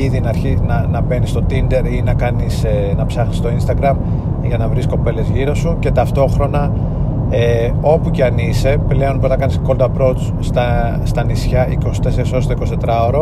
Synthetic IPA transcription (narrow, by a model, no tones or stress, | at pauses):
iðinɐːɾçinɐnɐbe̞nist̪o̞t̪ind̪e̞ɾinɐkɐnisnɐpsɐxnist̪o̞inst̪ɐɡɾɐm | ʝɐnɐvɾisko̞pe̞le̞zʝiɾo̞suce̞t̪ɐft̪o̞xɾo̞nɐ | e | o̞puceɐnise̞ple̞o̞nponɐkɐnisko̞ld̪ɐpɾo̞t͡s | t̪ɐ | st̪ɐnisçɐʔiko̞si̥t̪e̞se̞ɾisost̪oiko̞st̪e̞t̪ɾɐoɾo